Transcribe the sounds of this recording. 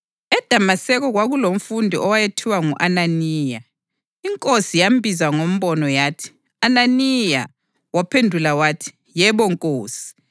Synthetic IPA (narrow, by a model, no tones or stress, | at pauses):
ɛd̥ʱamasɛɣɔɣwaɣulom̩fundʱiʔɔwajetʰiwaŋuʔananiːja | iŋkʼosijambʱizaŋom̩βɔnɔjaːtʰi̥ | ananija̰ | wapʰendʱulawaːtʰi̥ | jɛβɔŋkʼoːsi̥